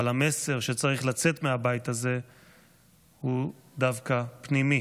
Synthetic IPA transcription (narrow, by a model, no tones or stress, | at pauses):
alame̞se̞ʁʃet͡saʁiχlat͡se̞t̪meabajit̪aze̞ | hud̪avkapnimi